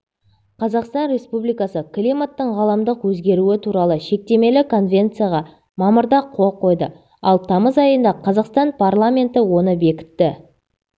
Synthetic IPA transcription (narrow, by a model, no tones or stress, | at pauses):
qʰɑzɑqst̪ɑnɾʲe̞spublijkɑsəklʲimat̪ːəɴʁɑlˠɑmd̪əqwɵzɡʲe̞ɾuɪt̪ʰuɾɑlˠəʃe̞k̚t̪e̞me̞lɪkʰo̞nvʲe̞nt̪sɨjaʁɑ | mɑməɾd̪ɑqʰo̞lˠqʰo̞jd̪ə̰ | ɑlˠt̪ʰɑməzɑjənd̪ɑqʰɑzɑqst̪ɑnpʰarlˠamʲe̞nt̪ɪwo̞nəbe̞kʲɪ̥t̪ːɪ